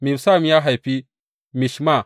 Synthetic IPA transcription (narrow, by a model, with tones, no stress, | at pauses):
mi˨bsa˦˨mi˦ja˦ɦa˨jpi˦ | mi˨ʃma˦˨